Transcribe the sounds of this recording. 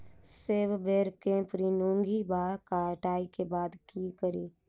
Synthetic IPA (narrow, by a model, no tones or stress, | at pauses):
seːʋbeːɾkẽpɾiːnũːŋɡibaːɾkaːʈaːikebaːd̪kikəɾiː